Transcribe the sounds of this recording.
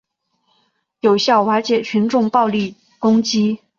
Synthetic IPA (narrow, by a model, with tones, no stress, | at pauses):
jo˨˩ʊɕjɑ˥˩ʊwa˧˥t͡ɕjɛ˨˩t͡ɕʰy˧˥nʈ͡ʂʊ˥˧ŋpɑ˥˧ʊli˥˩ | kʊ˥ŋt͡ɕi˥